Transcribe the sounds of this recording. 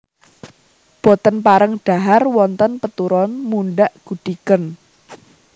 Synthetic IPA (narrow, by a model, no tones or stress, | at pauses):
b̥ɔ̤t̪ənpaɾəŋɖ̥a̤ɦarwɔnt̪ɔnpət̪uɾɔnmuɳɖaʔɡ̥ṳɖ̪̥ikən